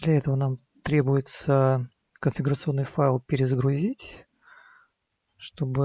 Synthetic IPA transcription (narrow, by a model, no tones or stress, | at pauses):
d̪lʲɐɛt̪əvənam | t̪ɾʲebʊjɪt̪sə | kənfʲɪɡʊɾət̪sɨo̞nːɨjfaɪlˠpʲɪɾʲɪzəɡɾʊzʲitʲ | ʂt̪o̞bɨ